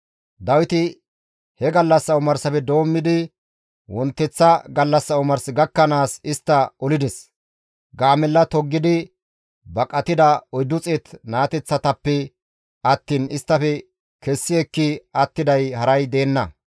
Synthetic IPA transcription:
d̪ɐwɪt̪ɪ | hɛɡɐlːɐsːɐʊmɐɾsɐpɛd̪o̞ːmːɪd̪ɪ | wɔnt̪ːɛt͡sːɐɡɐlːɐsːɐʊmɐɾsɡɐkːɐnaːsɪst̪ːɐɔlɪd̪ɛs | ɡaːmɛlːɐt̪ɔɡːɪd̪ɪ | bɐkʼɐt̪ɪd̪ɐɔjd̪ʊt͡sʼɛt̪naːt̪ɛt͡sːɐt̪ɐpːɛ | ɐt̪ːiːnɪst̪ːɐfɛ | kɛsːɪɛkːɪɐt̪ːɪd̪ɐjhɐɾɐjd̪e̞ːnːɐ

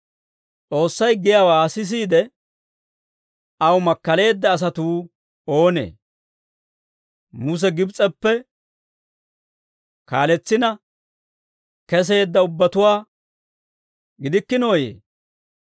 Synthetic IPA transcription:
t͡sʼo̞ːsːɐjɡɪjaːwaːsɪs̬iːd̪ɛ | ɐwmɐkːɐle̞ːd̪ːɐːs̬ɐt̪uː | o̞ːnḛː | mʊs̬ɛɡɪbt͡sʼɛpːɛ | kaːlɛt͡sːɪnɐ | kɛs̬e̞ːd̪ːɐʊbːɐt̪ʊwaː | ɡɪd̪ɪkːɪno̞ːjḛː

